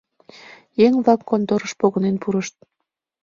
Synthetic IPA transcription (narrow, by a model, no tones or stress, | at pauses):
jeŋβlɑkːont̪oɾəʃpoɣənenpuɾəʃt̪̚